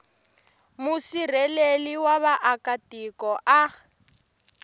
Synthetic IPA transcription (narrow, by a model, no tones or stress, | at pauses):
musir̤ɛleliwaβaʔakatikɔʔa